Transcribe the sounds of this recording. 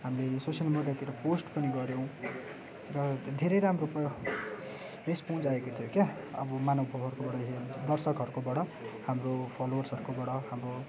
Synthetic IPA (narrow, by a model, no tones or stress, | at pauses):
ɦamilesosjʌlmeɽjat̪iɾʌposʈpʌniɡʌɾjõw̃ | rʌd̪ʱeɾʌjɾamɾupa | respownd͡zaekot̪ʰijokjaʌ̰bʌmanʌbʱʌwɦʌɾukobʌɽʌd̪ʌrsʌkɦʌɾukobʌɽʌ | hamropʰalowʌrsʌɾukobʌɽʌhamro